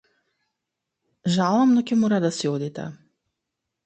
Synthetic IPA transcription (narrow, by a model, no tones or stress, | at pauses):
ʒalˠamnɔkɛmɔɾad̪asiɔd̪it̪ɛ̰